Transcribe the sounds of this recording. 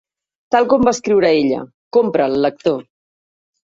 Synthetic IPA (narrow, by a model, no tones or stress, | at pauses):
t̪alˠkɔmbaskɾiwɾaeʎə̰ | kompɾəlˠːək̚t̪o